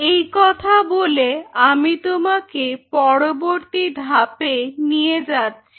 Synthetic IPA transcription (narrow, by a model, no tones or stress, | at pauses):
ejkɔt̪ʰaboleamit̪omakepɔɽoboɾt̪id̪ʱapenijed͡ʑatːɕʰi